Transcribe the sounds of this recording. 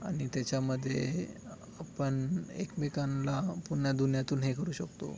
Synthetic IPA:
a̰ɽ̃it̪jat͡ɕjaməd̪ʱːjḛ | apəɳekmikanlapuɳjad̪unjat̪uːnɦekəɾuːɕəkt̪o̰

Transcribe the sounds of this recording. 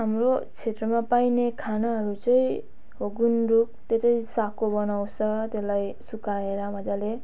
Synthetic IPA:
ɦamrot͡sʰet̪rʌmapajnekʰanʌɦʌɾut͡sʌĩ | ɦoɡunruk̚t̪et̪ʌjsakobʌnawt͡ssʰʌt̪elajsukaɾeɾamʌd͡zale

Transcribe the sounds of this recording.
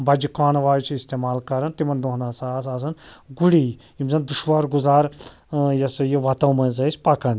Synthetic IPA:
bɐd͡ʒikaːnʋaːjt͡ʃʰiist̪eːmaːlkɐɾɐnt̪imɐnd̪oɦnaːsaːsaːs̬ɐnɡuɽij | jimzɐnd̪uʃʋaɾɡuzaːɾ | jɐsɐjiʋɐt̪ɐwmɐ̃ːzɐsʲpɐkɐn

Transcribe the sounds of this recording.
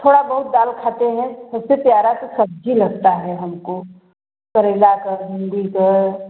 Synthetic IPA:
t̪ʰoːɽabɐɦʊt̪̚d̪aːlkʰaːt̪eɦɛ̃sɐbsepjaːɾat̪osɐb̚d͡ʒʱilɐɡt̪aɦɛɦɐmko | kɐɾelakəɾɦɪ̃nd̪ikəɾ

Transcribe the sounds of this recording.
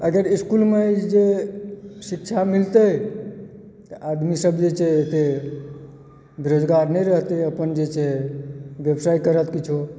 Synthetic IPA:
əɡəɾiskulmed͡ʒe | sɪkt͡ʃʰamɪlt̪ə | t̪əʔad̪misəbd͡ʒet͡ʃeet̪e | beɾod͡ʒɡaɾnəɾəɦt̪eəpənd͡ʒet͡ʃʰe | ʋjəbsaːikəɾət̪kit͡ʃʰu

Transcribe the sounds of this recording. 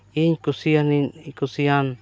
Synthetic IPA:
iɲkusianikusian

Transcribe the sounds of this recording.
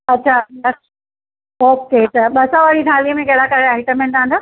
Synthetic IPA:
ɐtːɕʰalɐk | oːket̪ɐɓɐsãʋaɽiɖʱaːlijəmẽkeɦɽakəɾeaːɪʈəmẽnd̪ãːnd̪o

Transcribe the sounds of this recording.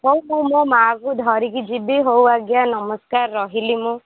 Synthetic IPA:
ɦowmũmõmakud̪ʱɔɾikid͡ʒibiɦowaɡjanɔmɔskaɾːɔɦilimũ

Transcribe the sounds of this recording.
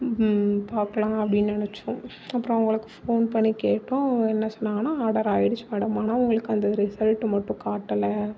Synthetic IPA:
paːɾkɐlãːɐpːɐɽinːnɐnɛt͡ʃːʊ̃ | ɐpːɯɾɔ̃ʊŋɡɐɭɯkːɯfoːnpɐɳːikeːʈːʊ̃ɛnːɐsɔnːaːŋɡɐnaːaːɽɐɾaːjɪɽɯt͡ʃːɯmɛɽɐmaːnaːʊŋɡɐɭɯkːɯɐnd̪ɐɾɪsɐlʈːɯmɐʈːʊ̃kaːʈːɐlɐ

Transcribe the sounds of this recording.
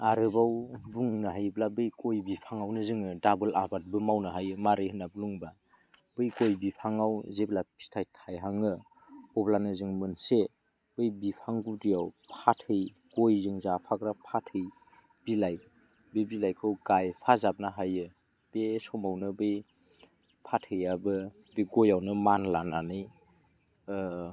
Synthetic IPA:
aɾɯbawbuŋnaɦajblabɯjkʰojbipʰaŋawnɯzɯŋɯdabɯlabat̚bɯmawnɯɦajɯmaɾɯjhɯnabluŋba | b̥ɯjkojbipʰaŋawzeblapi̥stʰajtʰajɦaŋɯ | ɔblanɯzɯŋmɯnse | b̥ɯjbipʰaŋɡudijawpʰatʰɯj | ɡ̥ojzɯŋzapʰaɡɾapʰatʰɯj | bilaj̚ | bebilajkʰɯwɡajpʰazap̚naɦajɯ | b̥esɔmawnɯbɯj | pʰatʰɯjabɯ | bɯjɡojawnɯmanlananɯj

